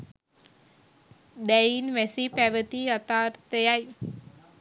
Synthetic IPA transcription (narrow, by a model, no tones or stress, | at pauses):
d̪ɛinʋɛsipɛʋət̪iət̪aɾt̪əjaj